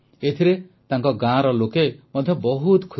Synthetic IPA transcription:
et̪ʰiɾet̪aŋkɔɡãɾɔlokemɔd̪ʱjɔbɔɦut̪kʰu

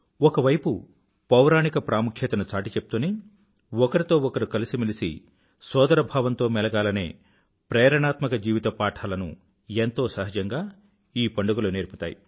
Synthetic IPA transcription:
ɔkɐʋɐjpu | pɐwɾaːnikɐpɾaːmukʰjɐːt̪ɐnɐt͡ʃaːʈit͡ʃep̚ːut̪uni | ɔkɐɾit̪o̞ːɔkɐɾukɐlisimilisḭ | sɔːd̪ɐɾɐbʱaːʋɐnt̪o̞ːmɛlɐɡaːlɐnḛː | pɾɛːɾɐɳaːt̪mɐkɐd͡ʒiːʋit̪ɐpaːʈʰaːlɐnṵ | ent̪o̞ːsɐɦɐd͡ʒɐŋɡaː | iːpɐɳɖuɡuluneːɾpu̥t̪a̰ːjḭ

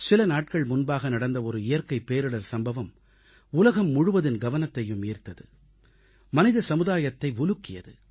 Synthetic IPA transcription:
sɪlɐnaːʈ̚kɐɭmʊnbaːɣɐnɐɽɐnd̪ɐɔɾɯɪjɐɾkɐɪpːeːɾɯɽɐɾsɐmbɐʋɐm | ʊlɐɣɐmːʊɻɯʋɐðɪnɡɐʋɐnɐt̪ːɐjɯmiːɾt̪ɐðɯ | mɐnɪðɐsɐmɯðaːjɐt̪ːɐɪʊlɯkːɪjɐðɯ

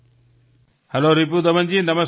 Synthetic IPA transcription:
hɐloːɾip̬ud̪ɐmɐnd͡ʑiːnɐmɐs

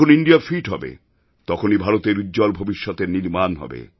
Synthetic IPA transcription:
oniɳɖijafʰiʈɦɔbḛ | t̪ɔkʰonibʱaɾot̪eɾudd͡ʑɔlbʱobiʃːot̪eɾniɾmanɦɔ̰bḛ

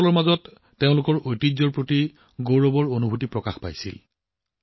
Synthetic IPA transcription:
ɔlɔɹmazɔtː | eʊ̃lʊkɔɹojtizɔɹpɹoti | ɡowɹɔbɔɹonubʱutipɹɔkaxpa̰jsḭl

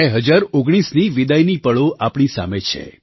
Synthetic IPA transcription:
ɛɦəd͡ʒaɾoɡɽ̃isniʋid̪ajnipəɭoʔapɳ̃isa̰met͡ʃʰḛ

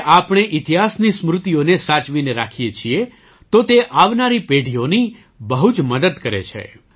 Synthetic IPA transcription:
ʔapɳ̃eʔɪt̪iɦasnismɾʊt̪ijonesat͡ʃʋineɾakʰijet͡ʃʰie | t̪ot̪eʔaʋnaɾipeɖʱijoni | bəɦud͡ʒməd̪əd̪kəɾḛt͡ʃʰḛ

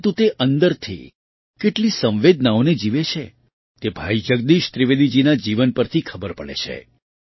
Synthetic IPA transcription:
t̪ũt̪eʔənd̪əɾt̪ʰḭ | keʈlisə̃ʋʋed̪naoned͡ʒiʋet͡ʃʰḛ | t̪ebʱaid͡ʒəɡd̪iʃt̪ɾiʋed̪id͡ʒinad͡ʒiʋənpəɾt̪ʰikʰəbəɾpəɭḛt͡ʃʰḛ

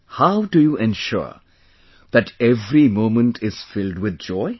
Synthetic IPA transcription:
haʊɖujuːʔɛ̃nʃʊ̰ɹ | ð̥æʈʰɛvɾimõːmə̃nʈʰɪz̥fɪlɖwɪd̪̚d͡ʒɔɪ

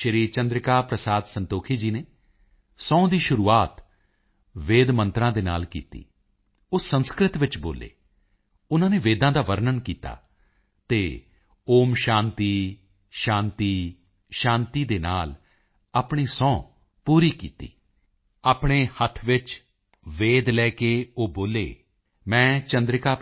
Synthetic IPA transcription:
ʃəɾiːɾt͡ʃə̃nd̪ɾɪkaːpɾəsaːd̪sənt̪oːkʰiːd͡ʒiːneː | sɔ̃ːd̪iːʃʊɾuːaːt̪ | ʋeːd̪mə̃nt̪ɾãːd̪eːna̰ːlkḭːt̪ḭː | oːsə̃nskɾɪt̪ʋɪt͡ʃboːlḛː | ʊnãːneːʋeːd̪ãːd̪aːʋəɾnənkiːt̪a̰ː | t̪eː | oːmʃãːnt̪iː | ʃãːnt̪iː | ʃãːnt̪iːd̪eːnaːl | aːpɳ̃iːsɔ̃ː | puːɾiːkḭːt̪ḭː | aːpɳeːhət̪ʰʋɪt͡ʃ | ʋeːd̪lɛːkeːoːboːlḛː | mɛ̃ːt͡ʃə̃nd̪ɾɪkaː

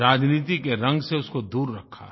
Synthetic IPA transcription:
ɾaːd͡ʒniːt̪ikeɾɐ̃ŋɡseʊskod̪uːɾːɐkʰːa̰

